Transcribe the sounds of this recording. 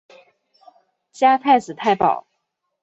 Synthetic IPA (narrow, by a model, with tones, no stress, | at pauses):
t͡ɕja˥t̪ʰa˥˩ɪt͡sɹ̩˨˩t̪ʰa˥˩ɪpɑ̰˨˩˦ʊ